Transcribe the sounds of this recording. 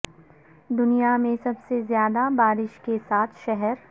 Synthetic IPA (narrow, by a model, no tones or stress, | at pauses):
d̪ʊnijamẽsɐbsezjaːd̪abaːɾɪʃkesaːt̪ʰʃɛɦɛɾ